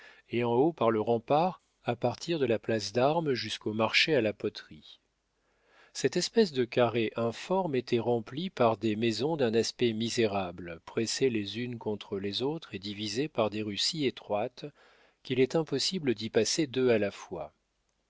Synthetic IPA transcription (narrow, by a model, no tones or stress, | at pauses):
eɑ̃opaʁləʁɑ̃paʁ | apaʁt̪ʰiʁd̪əlaplasd̪aʁmʒyskomaʁʃealapɔt̪χi | sɛt̪ɛspɛs̬d̪əkʲaʁeʔɛ̃fɔʁmet̪ʰɛʁɑ̃plipaʁd̪emezɔ̃d̪ɛ̃naspɛmizeʁablpχeselezynkɔ̃t̪χəlezot̪χed̪ivizepaʁd̪eʁysiet̪χwat̪ | kʲilɛt̪ɛ̃pɔsibləd̪ipased̪øalafwa